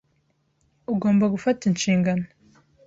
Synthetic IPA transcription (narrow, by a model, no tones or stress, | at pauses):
uɡo̞ːmbaɡufatinʃiːŋɡano